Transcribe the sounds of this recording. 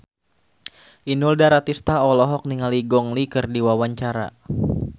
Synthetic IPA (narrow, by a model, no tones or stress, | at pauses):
ʔinuldaɾat̪ist̪aɔlɔɦɔk̚niŋaliɡɔŋlikɨrdiwawaɲt͡ʃaɾa̰